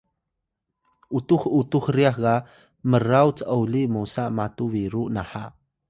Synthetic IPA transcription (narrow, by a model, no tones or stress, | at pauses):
ʔutuχutuχriaχɡa | məɾawt͡səwlimosaʔmatuviɾuʔnaħaʔ